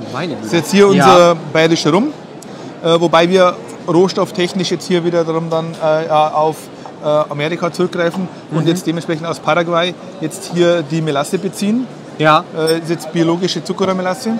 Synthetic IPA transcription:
aɪsjɛt͡sthiːɐʊnzɐbaɪʁɪʃəʁʊm | ʔɛːvobaɪviːɐ | ʁoːʃtɔftʰɛçnɪʃjɛt͡sthiːɐviːdɐdaʁʊmdanɛːjʔaʊf | ʔɛːameːʁɪkat͡sʊʁʏk̚ɡ̥ʁaɪfn̩ | ʔʊntjɛt͡std̥eːmɛnʃpʁ̥ɛçn̩taʊspʰaʁaɡwaɪ | jɛt͡sthiːɐdiːmelasəbət͡siːən | jʔɛsjɛt͡st̚b̥ioloːɡɪʃət͡sukɐʁomelasə

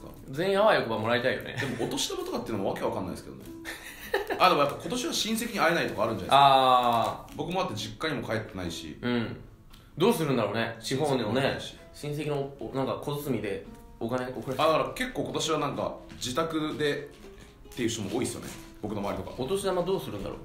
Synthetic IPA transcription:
d͡zẽ̞ĩaβaiokɯ̟bamo̞ɾait̪aijo̞̰nḛd̪emoot̪o̞ɕi̥t̪obat̪okat̪ːeɯ̟nomoβake̞βakanːa̰isked̪onḛ | ad̪emojapːako̞t̪o̞ɕiβaɕĩɰ̃se̞kʲiɲ̟iaenait̪o̞kaːɾɯ̃nɲd͡ʑaaaː | bo̞kɯ̟moat̪ːed͡ʑikːaɲ̟imo̞kaet̪ːe̞naiɕḭɯ̟̃ɴ | d̪o̞ːsɨɾɯ̟nd̪aɾoːne̞ɕiɦõɲnoneɕi̥ | ɕĩɰ̃s̬e̞kʲinonãŋkakʰo̞zɨt͡sɨmʲid̪e̞ | okane̞okɯɾaad̪akaɾake̞kːoːkot̪o̞ɕiβanãŋka̰d͡ʑit̪akɯ̟d̪e̞ | t̪ːe̞jiɯ̟ɕt̪omoʔoːisɨjo̰nḛ | b̥o̞kɯno̞maːɾit̪oka̰ot̪o̞ɕid̪amad̪oːsɨɾɯ̟nd̪a̰ɾo̰ː

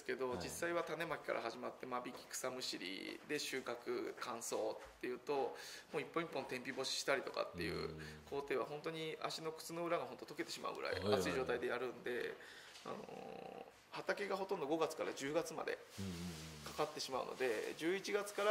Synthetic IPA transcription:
ke̞d̪o̞d͡ʑisːaiβat̪ane̞makʲi̥ka̰ɾʔa̰ɦaʑimat̪ːe̞mabʲikʲi̥kɯ̥samɯ̟ɕiɾʲḭd̪e̞ɕɨːkakɯ̟kãɰ̃so̞ːt̪ːe̞jɯ̟ːt̪o̞moːipːõipːõ̞nt̪ẽ̞mpʲibo̞ɕi̥ɕi̥t̪aɾʲit̪o̞ka̰t̪ːe̞jɯ̟̰ːkʰo̞ːt̪e̞ːβ̞a̰hõ̞nt̪o̞ɲ̟ia̰ɕino̞kɯ̟̥t͡sɨno̞ɯ̟ɾaɡaõ̞nt̪o̞t̪o̞ke̞t̪e̞ɕima̰ɯ̰ɡɯ̟ɾa̰ḭat͡sɨiʑo̞ːt̪aid̪e̞jaɾɯ̟̃nd̪e̞ | a̰no̞̰ | hat̪ake̞ɡaɦo̞t̪õ̞nd̪oɡo̞ɡat͡sɨ̥kaɾad͡ʑɨːɡat͡sɨma̰d̪e̞̰ | kakat̪ːe̞ɕimaɯ̟̰no̞̰d̪e̞d͡ʑɨːit͡ɕiɡat͡sɨ̥kaɾa

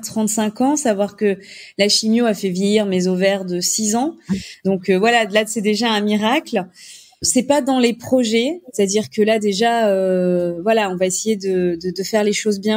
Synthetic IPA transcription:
t̪χɑ̃t̪sɛ̃kɑ̃savwaʁkə | laʃimjoafɛvjejiʁmezovɛʁd̪əsizɑ̃d̪ɔ̃køvwalalasɛd̪eʒaɛ̃miʁakl | sɛpad̪ɑ̃lepχɔʒɛst̪ad̪iʁkəlad̪eʒaøvwalaɔ̃vaesejed̪əd̪əd̪əfɛʁleʃozbjɛ̃

